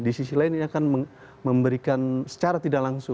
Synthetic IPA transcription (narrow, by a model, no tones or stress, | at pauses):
disisilaɪniakanmə | məmbəɾikansə̥t͡ʃaɾat̪idaklaŋsʊ